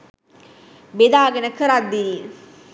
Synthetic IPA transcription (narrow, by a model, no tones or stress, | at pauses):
bed̪aːɡenəkəɾad̪ːiː